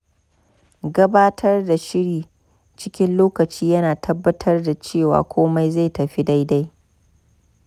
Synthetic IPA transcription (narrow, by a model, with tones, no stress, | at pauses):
ɡɐ˦baː˦tʰɐ˦rda˨ʃɪ˦ɽiː˨ | t͡ʃɪ˦kʲɪ˦nloː˦kɐ˨t͡ʃiː˦jɐ˦naː˨tʰɐ˦bːɐ˦tʰɐ˦rda˨t͡ʃeː˦˨wa̰ː˨kʷʰoː˦ma˦jza˦˨jtɐ˨ɸi˦da˦jda˦j